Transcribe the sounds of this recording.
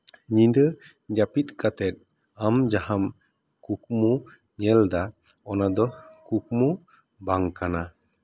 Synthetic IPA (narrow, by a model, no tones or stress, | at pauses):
ɲĩd̪ə | d͡ʒapit̪̚ˀkat̪ɛt̪̚ | amd͡ʒaham | kuk̚mu | ɲɛld̪a | ɔnad̪ɔkuk̚mu | baŋkana